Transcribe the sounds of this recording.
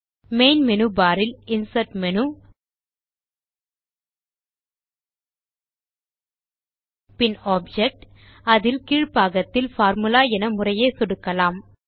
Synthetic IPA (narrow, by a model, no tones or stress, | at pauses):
meːnmɛnɯbaːɾɪlɪnsɐʈmɛnɯ | pɪnaːb̚d͡ʒɛk̚ʈ | ɐðɪlkiːɻpaːɣɐt̪ːɪlfaːɾmɯlaːɛnɐmʊrɐjeːsʊɽɯkːɐlaːm